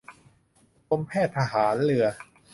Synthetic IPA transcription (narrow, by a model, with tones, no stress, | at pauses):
ko˧mpʰɛː˥˩t̪ʰːa˧ɦaː˩˦nlɯ˧˩ɐ